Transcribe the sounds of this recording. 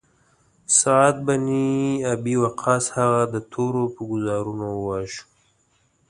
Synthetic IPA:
sɑad̪̚baniabiwaqʰɑːshaɣad̪ət̪ʰoɾopəɡʊzɑɾunowɑʃu̥

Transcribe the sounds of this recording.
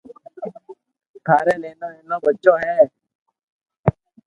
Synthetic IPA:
t̪ʰaːɾẽːleːnõːeːnõːbətːʃõːɦɛː

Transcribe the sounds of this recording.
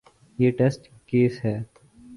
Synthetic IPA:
jeːʈesʈ | keːsɦɛː

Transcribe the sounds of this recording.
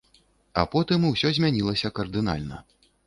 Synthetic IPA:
ɐ̰pɔt̪ɨmuwsʲɔzʲmʲanʲilˠɐsʲɐkɐrd̪ɨna̰lʲnɐ̰

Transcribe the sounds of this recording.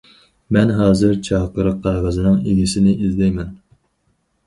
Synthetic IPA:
mɛnɦɑːzɨɾt͡ʃʰɑʁqəɾəqqʰːɑɾʁɑzɨnɨŋeɡʲisɪnɪʔizlɛjmɛn

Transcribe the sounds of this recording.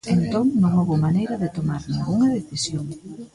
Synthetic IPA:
ent̪oŋnõŋoβomanejɾɐðɪt̪omaɾnĩŋɡuŋɐðeθisjoŋ

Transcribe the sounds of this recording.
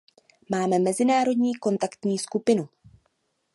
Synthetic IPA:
maːmɛmɛzɪnaːɾo̞dɲiːko̞nt̪akt̪ɲiːskupɪnu

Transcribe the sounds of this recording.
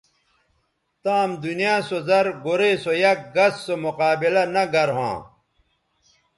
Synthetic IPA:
t̪aːmd̪unijãːsozɐɾɡoɾeːsojɐk̚ɡɐsːomoqaːbilɐnɐɡɐɾɦã̰ː

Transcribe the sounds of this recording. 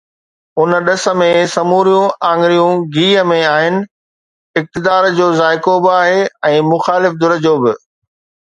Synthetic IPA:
ʊn̆ɗɐsə̆mẽsɐmuːɾijũãːŋɡɾijũɡiːəmẽaːɦɪnɪ̆ | ɪk̚t̪ɪd̪aːɾd͡ʑoːzaːɪkobɪaːɦeːɛ̃ːmʊxaːlɪfd̪ʊɾəd͡ʑoːbɪ

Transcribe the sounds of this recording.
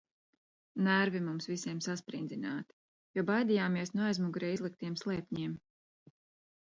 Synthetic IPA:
næɾvimumsvisiɛmsaspɾḭnd̪zinaːt̪i̥ | juɔbajd̪ijaːmiɛsnuajzmuɡuɾɛːizlˠik̚t̪iɛmslˠɛːpʲɲiɛm

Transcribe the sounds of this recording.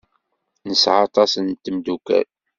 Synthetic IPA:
nəsʕɑt̪ˤɑsənt̪ːəmd̪ukæ̰l

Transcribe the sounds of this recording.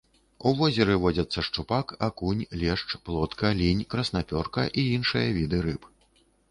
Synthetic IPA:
uvɔzʲɛɾɨvɔd͡zʲɐt̪sːɐʂt͡ʂupakakunʲlʲɛʂt͡ʂplˠɔt̪kɐlʲinʲkɾɐsnapʲɔrkɐ̰ʔiinʂɨjɐvʲid̪ɨɾɨp

